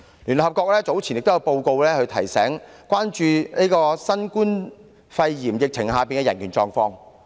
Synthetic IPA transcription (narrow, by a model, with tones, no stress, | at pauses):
lyː˨˩nhɐ˨p̚kɔː˧k̚lɛː˥t͡so˨˥wt͡sʰi˨˩njɪ˨k̚t̪jɐ˧wpo˧wko˧wlɛː˥hɵ˨˧ɥt̪ʰɐ˨˩jsɛː˨˥ŋ | kʷaː˥nt͡ʃyː˧neː˥jkɔː˧sɐ˥nkuː˥n | fɐ˧jjiː˨˩mjɪ˨k̚t͡sʰɪ˨˩ŋhaː˨˧piː˨nkɛː˧jɐ˨˩nkʰyː˨˩t͡sɔː˧ŋfɔː˧ŋ